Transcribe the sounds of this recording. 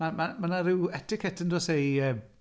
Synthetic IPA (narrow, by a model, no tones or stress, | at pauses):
namamanaɾɪwɛtɪkʰɛtəndɔsejəː